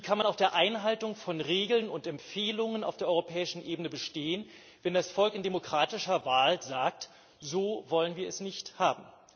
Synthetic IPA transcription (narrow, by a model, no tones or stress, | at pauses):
iːkʰanmanaʊxd̥eːɐʔaɪnɦaltʊŋfɔnʁeːɡl̩nʊntɛmfeːlʊŋənaʊfd̥eːɐɔʏʁopʰɛːɪʃn̩ʔeːbənəbəʃteːən | vɛndasfɔlkɪndemokʁ̥aːtɪʃɐvaːlzaːk̚t | z̥oːvɔlənviːɐɛsnɪçthaːbm̩